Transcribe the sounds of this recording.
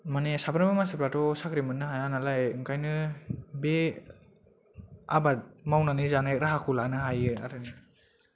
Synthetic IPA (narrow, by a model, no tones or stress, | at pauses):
manesapʰɯnbɯmansɯpɾatɔsakɾimɯnːɯɦajanalajɯŋkajnɯbe | a̰bat̚mawnanɯzanaɾaɦakʰulanɯɦajɯa̰ɾɯni